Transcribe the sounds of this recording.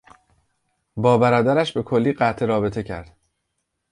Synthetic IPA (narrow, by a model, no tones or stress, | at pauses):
bɒːbæɾɒːd̪æɾæʃbe̞kʰo̞lːiːɢæt̪ʰeɾɒːbe̞t̪ʰe̞cʰæ̰ɾd̪̥